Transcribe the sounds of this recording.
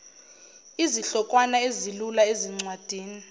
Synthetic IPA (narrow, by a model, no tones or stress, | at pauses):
iziɬɔkʼwanaezilulaeziŋ͡ǀwad̥ʱiːni